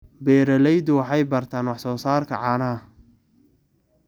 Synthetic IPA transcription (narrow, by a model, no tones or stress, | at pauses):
bɛːɾɐlɛjd̪ʊwɑħɑjbɐrt̪ʰaːnwɑħsɔːsaːrkʰɐʕɑːnɐɐ